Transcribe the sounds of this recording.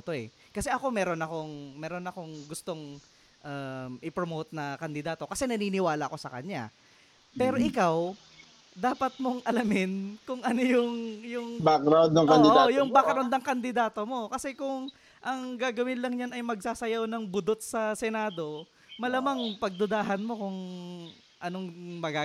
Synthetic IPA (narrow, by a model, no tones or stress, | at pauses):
t̪o̞ʔɛ̰ | kɐsɛʔɐko̞mɛːɾo̞nɐko̞ŋmɛːɾo̞nɐko̞ŋɡʊst̪o̞ŋ | ʔamʔɪpɾomowt̪̚nɐkɐnd̪ɪd̪aːt̪o̞kɐsɛnɐniːnɪwaːlɐʔɐko̞sɐkɐ̰ɲa̰ | pɛːɾo̞ʔɪkaw | d̪aːpɐt̪̚mo̞ŋʔɐlɐmɪnkʊŋʔɐno̞jʊŋjʊŋbakɾawd̪ɐŋɐd̪ɪjʊŋbakɾawnd̪ɐŋkɐnd̪ɪd̪aːt̪o̞mo̞kɐsɛkʊŋ | ʔɐŋɡaːɡɐwɪnlɐŋɲanɐjmɐɡ̚saːsɐjawnɐŋbʊd̪ot̪̚sɐsɛnaːd̪o̞ | mɐlamaŋpɐɡ̚d̪ʊd̪aːɦɐnmo̞kʊŋ | ʔɐno̞ŋmɐɡa